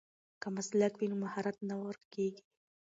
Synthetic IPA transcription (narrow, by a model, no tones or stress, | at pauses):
kamaslakfinumahaɾat̪nawaɾkeɡi̥